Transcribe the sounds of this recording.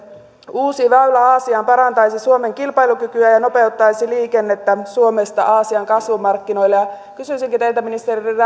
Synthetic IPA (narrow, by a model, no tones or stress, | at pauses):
uːsiʋæylæɑːsiɑːmpɑɾɑnt̪ɑjsisuome̞ŋkilpɑjlukykyæjɑno̞pe̞ut̪ːɑjsiliːkenːet̪ːæsuomest̪ɑ̰ʔɑːsiɑŋkɑsʋumɑrkːino̞ilːejɑ | kysysiŋkit̪eilt̪æminist̪eririr